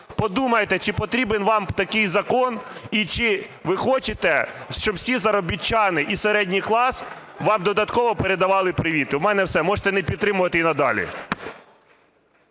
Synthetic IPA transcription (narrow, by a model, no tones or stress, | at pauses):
pɔd̪umɐjet̪ɛt͡ʃɪpɔt̪ɾʲibenʋɑmt̪ɐkɪjzɐkɔnit͡ʃɪʋɪxɔt͡ʃɪt̪ɛʃt͡ʃɔbwsʲizɐɾɔbʲit͡ʃːɑnɪʔiseɾɛdʲnʲijklˠɑs | ʋɑmd̪ɔd̪ɐt̪kɔʋɔpeɾed̪ɐʋɑlˠɪpɾɪʋʲit̪ɪwmɛnɛwsɛmɔʒe̥t̪ɛnɛpʲid̪ɾɪmʊʋɐt̪ɪinɐd̪ɑ̰lʲḭ